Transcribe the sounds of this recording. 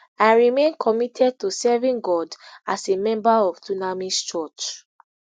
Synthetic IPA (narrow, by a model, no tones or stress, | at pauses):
ãnɹimẽnkʰɔmitʰɛd̚tusɛvĩnɡɔdasemɛ̃mbaɔv̥tunamist͡ʃɔt͡ʃ